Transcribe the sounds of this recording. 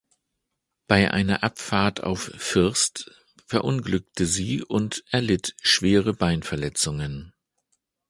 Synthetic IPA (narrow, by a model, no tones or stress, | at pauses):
b̥aɪʔa̰ɪnɐʔapfaːɐta̰ʊffɪɐst | fɛɐʔʊnɡlʏk̚təziːʔʊntʔɛɐlɪtʃv̥eːʁəbaɪnfɛɐlɛt͡sʊŋən